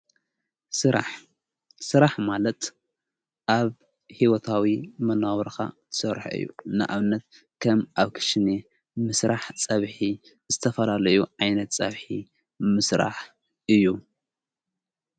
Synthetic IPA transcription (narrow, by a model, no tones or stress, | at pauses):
sɨɾaħmalɐt̪ | ʔaβ | hiwot̪ʰawimɐnawɐɾxa̰t̪ʰɨ̥sɐɾħɨ̰jːṵnɨ̰ʔa̰βɨnːɐt̪ | kʰɐmʔaβkʰɨ̥ʃɨne | mɨsɾaħt͡sʼɐβħi | zɨt̪ʰɐfɐlalɐjuʕajnɐt̪t͡sʼɐβħi | mɨsɾa̰ħ | ʔɨjːu